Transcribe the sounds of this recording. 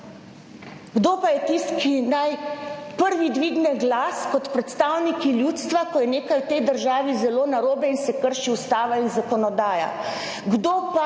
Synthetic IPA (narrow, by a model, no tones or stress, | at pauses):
ɡd̪oːpajɛt̪ist̪kinajpəɾʋid̪ʋiːɡnɛɡlaːskɔt̪pɾɛt̪st̪aːwnikiljuːt̪st̪ʋakɔjɛneːkajwt̪ɛjd̪əɾʒaːʋizɛloːnaɾoːbɛinsɛkəɾʃiust̪aːʋainzakɔnɔd̪aːja̰ | ɡd̪oːpa